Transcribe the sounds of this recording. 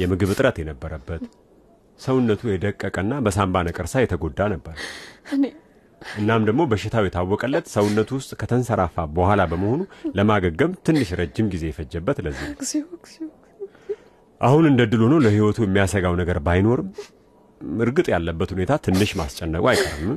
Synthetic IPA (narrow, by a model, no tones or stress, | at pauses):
jɛmɨɡɨβɨt̪ʼɨɾət̪jɛnəbːəɾəbːət̪ | səwʊnːət̪ʰujɛd̪əkʼːəkʼənːabəsambanəkʼɨɾsajɛt̪ʰəɡo̞d̪ːanəbːəɾ | ʔɨnːamd̪əɡmo̞bəʃːɪt̪ʰawjɛt̪ʰawːɔkʼəlːət̪səwunːət̪ʰuwʊst̪ʼkʰət̪ʰənsəɾafabəhʷalabəməho̞nuləmaɡəɡːəmt̪ʰɨnːɨʃɾəd͡ʒːɪmɡize̞jɛfəd͡ʒːəbːət̪ləzːḭ | ʔahunɨnd̪əd̪ːɨlonəwləhiwɔt̪ʰujɛmːijasəɡawnəɡəɾbajno̞ɾɨm | ɨɾɡɨt̪ʼjalːəbːət̪hune̞t̪ʰat̪ʰɨnːɨʃmast͡ʃʼːɛnːəkʼuajkʼə̰ɾɨmːɨ